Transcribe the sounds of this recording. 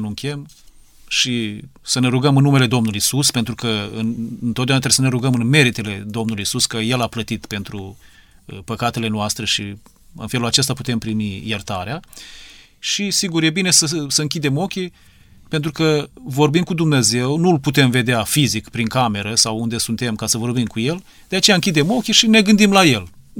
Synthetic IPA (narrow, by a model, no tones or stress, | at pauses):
nuŋkʲem | ʃisəne̞ɾuɡəmɨnːume̞le̞d̪o̞mnuluisuspe̞nt̪ɾukəɨnnt̪ot̪d̪eunat̪ɾeesəne̞ɾuɡəmɨnme̞ɾit̪e̞le̞d̪o̞mnuluisuskəje̞laplət̪it̪pe̞nt̪ɾu | pəkat̪e̞le̞noast̪ɾe̞ʃi | ɨ̰nfelulat͡ʃe̞st̪aput̪e̞mpɾimijert̪aɾea | ʃisiɡurje̞bine̞səsəɨŋkʲid̪e̞mo̞kʲi | pent̪ɾukəvo̞rbimkud̪umne̞ze̞wnulput̪e̞mve̞d̪eafizikpɾiŋkame̞ɾəsawund̪e̞sunt̪e̞mkasəvo̞rbimkuje̞l | d̪eat͡ʃejaɨŋkʲid̪e̞mo̞kʲiʃine̞ɡɨnd̪imlaje̞l